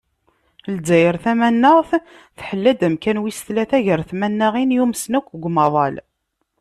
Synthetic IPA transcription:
lzæjəɾθæmænːəʁθ | θħəlːæd̪æmkænwist̪læθæʝəɾθmænːəʁinjumsnækʷːɡʷmɑðˤɑl

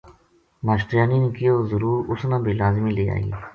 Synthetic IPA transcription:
maːʃʈɾɪjaːniːnẽkɪjoːzəɾuːɾʊsnãːbiːlaːzmiːleːa̰ːḭː

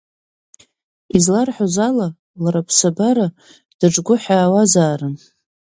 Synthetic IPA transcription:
izlarħozala | laɾapʰsabaɾa | d̥aʈ͡ʂʼɡʷʊħaːwazaːrɨn

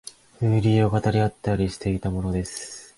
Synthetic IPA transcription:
ɯ̟ːɾʲiːo̞kat̪aɾʲiat̪ːaɾʲiɕi̥t̪e̞it̪amo̞no̞d̪e̞sɨ̥

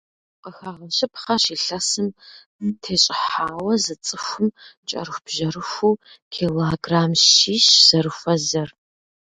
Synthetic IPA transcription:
qəxaʁənɕɪpʰχɐʃiːɬɐsɨm | tʰeːɕʼɪħaːwɐzɨt͡sʼɨxʷʊmt͡ʃʼɐ̰ɾɨxʷb̥ʒɐɾɨxʷu | kʰiːloɡraːmʃiːʃz̥ɐrɨxʷɐzɐr

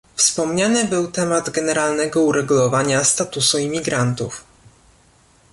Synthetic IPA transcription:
fspɔmɲanɘbɘwt̪ɛmad̪ɡɛnɛɾalnɛɡɔuɾɛɡulɔvaɲast̪at̪usuimʲiɡɾant̪ṵf

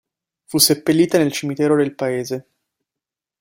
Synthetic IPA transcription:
fusːepːelːiːt̪anelt͡ʃimit̪ɛːɾod̪elpaeːze

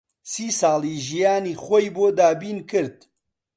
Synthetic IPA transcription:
siːsɑːlˠiʒijaːniːxojboːd̪aːbiːnkɨɾd̪̚

